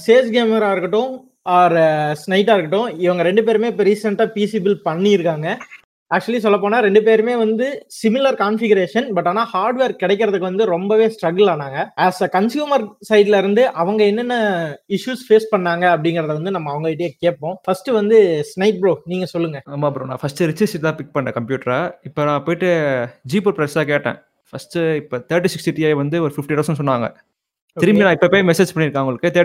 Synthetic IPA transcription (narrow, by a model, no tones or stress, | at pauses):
seːsɡeːmɛɾaːɪɾɯkːɐʈːʊ̃ | aːɾsnɐɪʈːaːɪɾɯkːɐɪʈːʊ̃ɪʋɐŋɡɐɾɛɳɖɯp̬eːɾmeːpɛɾɪsɛɳʈaːpiːsiːbɪlpɐɳːiɪɾɯkːaːŋɡɐ | æːk̚t͡ʃʊɐlis̬ɔlːɐp̬ːoːnaːɾɛɳɖɯp̬eːɾmeːʋɐnd̪ɯsɪmɪlɐɾkaːnfɪɡɐɾeːʂɐnbɐʈːaːnaːhaːɾɖʋeːɾkɪɽɛɪkːɪɾɐðɯkːɯʋɐnd̪ɯɾɔmbɐʋeːsʈɾɐɡlaːnaːŋɡɐaːskɐnsjuːmɐɾsɐɪɖɪlɐɪɾɯnd̪ɯʔɐʋɐŋɡɐɛnːɐnːɐɪʂjuːsfeːspɐɳːaːŋɡɐːp̬ːɐɽɪŋɡɪɾɐðɐʋɐnd̪ɯnɐmːɐːʋɐŋɡɐɪʈːɪjeːkeːpːõːfɐsʈɯʋɐnd̪ɯsnɐɪʈ̚bɾoːniːŋɡɐsɔlːɯŋɡɐaːmaːpɯɾɯmnã̰ːfɐsʈɯɾɪt͡ʃːɐsɪʈt̪ãːpɪk̚pɐɳɖɐkɐmpjuːʈɐɾaːɪpːonãːpoːjɪʈːɯd͡ʒiːpuɾpɾɐɪsaːkeːʈːḛ̃ː | fɐsʈɯɪpːoːt̪ɐːɾʈ̬ːisɪksʈiʈijaːʋɐnd̪ɯɔɾɯfɪfʈiʈɐsɐnsɔnːʋaːŋɡɐ̰ | ɪɾɯmbinãːɪpːɐpːoːjmɛseːd͡ʒpɐɳːɪɾɯkːaːʋŋɡɐɭɯkːɯt̪ɐː